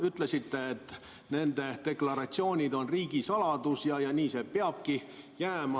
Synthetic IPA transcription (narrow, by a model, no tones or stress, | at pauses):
yt̪ˑle̞sit̪ːe̞ːt̪ːˑ | ne̞nd̪̥e̞t̪e̞klɑɾɑt̪sio̞ːnʲid̪o̞nriːɡ̥isɑlɑd̪̥usjɑjɑniːse̞peɑb̥̚ki | jæːmɑ